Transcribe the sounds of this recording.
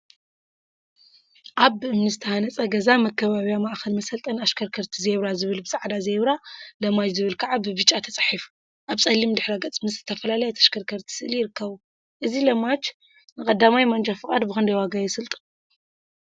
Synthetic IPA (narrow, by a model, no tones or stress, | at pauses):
ʔaβɨmnɨzɨt̪ʰɐhanɐt͡sʼɐɡɐzamɐkʰːɐβaβijamaʔxɐlmɐsɐlt̪ʼɐnaʃkʰɐɾkʰɐɾt̪ʰizeβɾazɨβɨlbɨsʼaʕd̪azeβɾalɐmat͡ʃzɨβɨlkʰaʕabɨβɨt͡ʃʼat̪ʰɐt͡sʼḁħif | ʔaβt͡sʼɐlːimd̪ɨħɾaɡɐt͡sʼmɨszɨt̪ʰɐfɐlalɐjɛt̪ʰɐʃkʰɐɾkʰɐɾt̪ʰi̥sɨʔɨlijɪɾɨkʰːɐβu | ʔɨzilɐmat͡ʃ | nɨkʼɐd̪ːamajmɐnd͡ʒʼafɨkʼa̰d̪bɨxɨnd̪ɐjwaɡajɪsɨlt̪ʼɨ̥